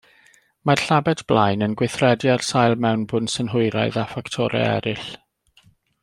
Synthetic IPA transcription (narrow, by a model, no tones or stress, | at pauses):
marɬabɛdʰb̥lajnənɡwɪθrɛdjarsajlˠmɛwnbʊnsənɦʊɨɾaɨðafaktʰɔɾɛ̰ɛ̰ɾɪɬ